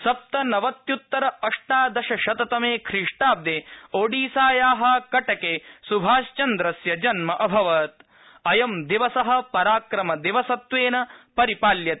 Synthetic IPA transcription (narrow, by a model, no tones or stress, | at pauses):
sɐp̚t̪ɐnɐʋɐt̪jut̪ːɐɾɐɐʂʈaːd̪ɐʃɐʃɐt̪ɐt̪ɐmeːkʰɾiʂʈaːb̚d̪eːoːɖiːsaːjaːɦɐkɐʈɐkeːsubʱaːʃt͡ʃɐnd̪ɾɐsjɐd͡ʒɐnmɐʔɐbʱɐʋɐt̪̚ | ɐjɐmd̪iʋɐsɐɦɐ̆pɐɾaːkɾɐmɐd̪iʋɐsɐt̪ʋeːnɐpɐɾipaːljɐt̪e